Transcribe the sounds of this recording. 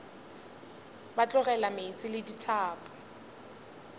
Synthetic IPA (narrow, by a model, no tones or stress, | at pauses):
bat͡ɬʼʊɣɛlamet͡sʼɪlɪditʰaːpʼɔ̥